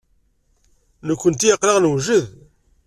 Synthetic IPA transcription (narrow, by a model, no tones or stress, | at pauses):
nəkʷːənt̪ijəqːləʁnwʒəð